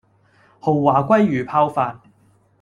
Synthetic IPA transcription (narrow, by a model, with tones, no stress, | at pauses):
ho˨wːaː˨˩kʷɐ˥jːyː˨˩pʰaː˧wfaː˧n̚